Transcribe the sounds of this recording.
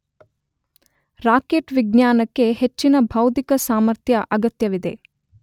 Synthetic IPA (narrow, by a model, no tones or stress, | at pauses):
ɾaːkeʈʋiɡnjaːnɐkːe̞het͡ʃːinɐbʱɐwt̪ikɐsaːmɐɾt̪jɐʔɐɡɐt̪jɐʋid̪e̞